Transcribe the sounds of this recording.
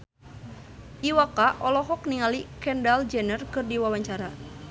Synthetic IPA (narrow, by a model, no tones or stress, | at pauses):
ʔiwakaʔɔlɔɦɔkniŋalikɛndald͡ʒɛnərkɨrdiwawaɲt͡ʃaɾa